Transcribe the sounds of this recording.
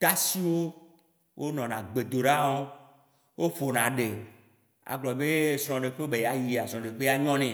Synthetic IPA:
t̪a˦si˦wo˦ | wʔo˦nɔ̃˨nã˨ɡ͡be˨d̪o˨ɖa˦wɔ˦ | wo˦fo˨nã˨ɖe˨ | a̰˨ɡ͡blɔ˨be˦sɾ̃ɔ̃˨ɖe˨ɸe˦o˦be˨ja˨ji˨a˨sɾɔ̃˨ɖe˨k͡pe˦a˦ɲɔ̃˦nɛ̃˨

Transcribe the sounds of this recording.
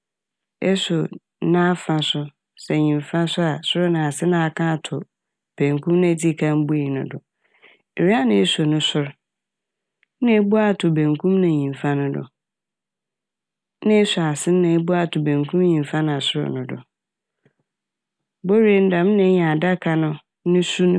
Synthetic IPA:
ɛ˦sʊ˨˦ | nã˦fã˨sʊ˦ | sɛ˨ɲĩ˨mfã˦sʊ˦a˨sʊ˦ɾʊ˦nã˨a˨sɪ˦nã˦a˨kʰã˦a˨tʰʊ˨ | b̥ɛ̃˨ŋkʰũ˦mnã˦˨d͡zi˦kʰã˦m˦bu˦i˨nʊ̃˨dʊ˨ | ɾi˦a˦nɪ̃˨ɛ˦so˨nʊ̃˦sʊ˦ɾ | nɪ̃˦e˦bʊ˦a˦˨tʰʊ˨bɛ̃˨ŋkʰũ˦mnã˨ɲĩ˨fã˦nʊ̃˦dʊ̰˨ | nɪ̃˦sʊ˨a˨sɪ˦n˦ã˨e˦bʊ˦a˨tʰʊ˨bæ̃˨ŋkʰũ˦m˦ɲĩ˨ɱ˨fã˦ñ˨a˨sʊ˦ɾʊ̰˦˨nʊ̃˨dʊ̰˨ | bo˦ɾe˨n̩˦dã˨m˦nɪ̃˨˦ɲã˨a˨da˦kʰa˨nʊ̃˦ | nʊ̃˦su˦ñ˦

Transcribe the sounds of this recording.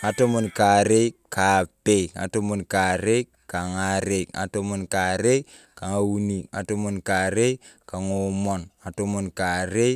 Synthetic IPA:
a˨to˦mu˨nka˨ɾe˦ka˨pe˦˨a̰˨to˦mu˨nka˨ɾe˦ | ka˨ŋa˨ɾe˦˨a̰˨to˦mu˨nka˨ɾe˦ | ka˨ŋa˨wu˦ni˨a̰˨to˦mu˨nka˨ɾe˦ka˨ŋo˨mɔ˨na˨to˦mu˨nka˨ɾe˦

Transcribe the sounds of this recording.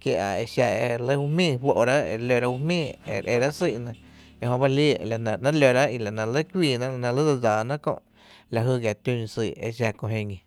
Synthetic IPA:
kje˧ʔa̰˨e˧ʃa˧e˧lə˦hu˧mĩː˦˧ɸʷwo˧ʔɾa˦ʔḛ˧˨˧lo˧ɾa˦hu˧mĩː˦˨ḛ˨ɾʔe˧˨ɾa˦ʔsi˧˨ʔnã˧ | e˧ɦõ˧ba˦li˦˨la˨nã˧˨nã˦lo˧ɾa˦i˧la˨nã˧˨lə˦kʷiː˧˨nã˦la˧nã˧lə˦d͡za˧d͡zaː˨nã˦kõ̰˧ʔ | la˨ɦɨ˧˨ɣja˨t̪ũ˧siː˧˨ḛ˧ʃ̬a˧kõ˧ɦẽ˧ɲĩ˨

